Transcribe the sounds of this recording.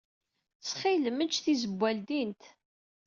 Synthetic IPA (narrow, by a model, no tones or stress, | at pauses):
t͡sχiləmənt͡ʃːθizəbʷːæld̪int̪